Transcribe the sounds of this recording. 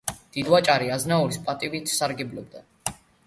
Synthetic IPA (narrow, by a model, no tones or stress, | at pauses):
d̪̥id̪wat͡ʃʼaɾiaznauɾispʼat̪ʼivit̪ʰsaɾɡɛblɔ̰b̚d̪a